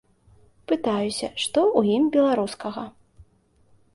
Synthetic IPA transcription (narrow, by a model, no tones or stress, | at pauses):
pɨt̪ajusʲɐʂt̪ɔʔujimbʲɛlˠaɾuskɐɣɐ